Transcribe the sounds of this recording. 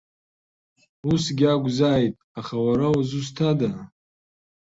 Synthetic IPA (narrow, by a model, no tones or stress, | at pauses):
usɡʲaɡʷzaːjtʼaχawaɾauzustʰada